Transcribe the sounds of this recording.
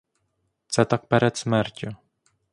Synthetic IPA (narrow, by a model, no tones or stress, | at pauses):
t̪sɛt̪ak̚pɛɾɛt̪smɛɾcʲu